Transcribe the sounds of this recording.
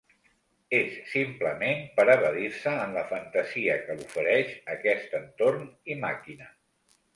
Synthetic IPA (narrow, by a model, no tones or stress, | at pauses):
esːimpləmempəɾəβəðiɾsəːnləfənt̪əziəkəlufəɾɛʃəkɛst̪ənt̪ornimakinə